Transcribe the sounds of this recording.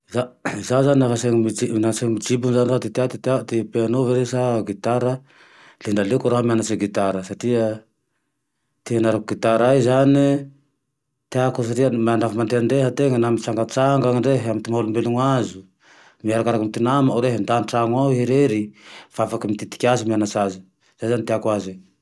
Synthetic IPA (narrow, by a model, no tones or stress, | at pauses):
zazazaninafaseŋmiinaseŋmid͡ʒibunzanizat̪it̪at̪it̪at̪epeanoveɾesaɡit̪aɾa | leɳɖ͡ʐalekuɾoɦamianat͡ʃeɡit̪aɾəsaʈ͡ʂiə | t̪eanaɾakuɡit̪aɾajzani | t̪eakus̬aʈ͡ʂiəmanafamaɳd̪eand̪eɦat̪eŋənamit͡saŋɡat͡saŋɡaŋɳɖ͡ʐeɦamit̪imaolumbeluŋazu | miaɾakaɾakamit̪inamaawɾeɦand̪aniʈ͡ʂaŋawɦeɾeɾifaafakimit̪it̪i̥kʲazimianasazi | zejzanit̪eakuazi